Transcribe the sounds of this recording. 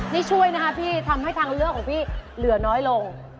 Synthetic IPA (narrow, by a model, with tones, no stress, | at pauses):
niː˦˥˩t͡ɕʰu˥˩əjna˦˥kʰa˦˥pʰiː˥˩t̪ʰa˧mɦa˥˩jt̪ʰaː˧ŋɾɯ˥˩əkʰːɔː˩˦ŋpʰiː˥˩lɯ˨˩˦ɐnɔː˦˥jlo˧ŋ